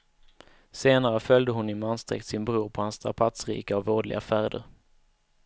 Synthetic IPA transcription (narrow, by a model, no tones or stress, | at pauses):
seːnaɾəfœld̪əɦʊnːɪnmanst̪ɾɛ̰k̚t̪sɪnbɾuːɾpʰɔhanst̪ʰɾa̰pʰat̪sɾḭːkəɔvoːɖlɪ̰ɡafæːɾɖ̪ə̰ɾ